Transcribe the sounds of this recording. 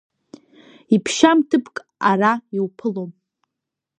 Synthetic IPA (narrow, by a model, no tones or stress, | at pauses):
ipʰʃamtʰɨpʰkʼ | araiwpʰɨlom